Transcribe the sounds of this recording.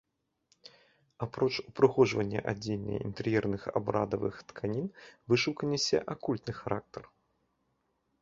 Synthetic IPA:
apɾɔt͡ʂupɾɨxɔʐvɐnʲːɐ̰ʔad͡zʲelnɐ̰jḭnt̪ɛɾjɛrnɨxa̰bɾa̰d̪ɐvɨ̰xt̪kʰanʲinvɨʂɨwkɐnʲːɛsʲɛ̰ʔakulʲt̪nɨxaɾʔak̚t̪ɐr

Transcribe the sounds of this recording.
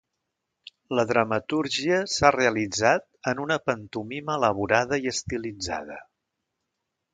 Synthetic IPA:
ləðɾəmət̪uɾʒiəsareəlid͡zat̪̚ənunəpənt̪umiməːləβ̞uɾað̞əiəst̪ilid͡za̰ð̞ə̰

